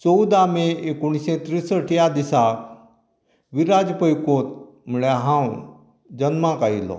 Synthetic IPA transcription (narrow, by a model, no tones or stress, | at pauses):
t͡sowd̪ameekuɽ̃isẽt̪ɾisəʈijad̪isa | ʋiɾad͡zpəjkot̪̚ | muɭjaɦãw | d͡ʑənmãkailo̰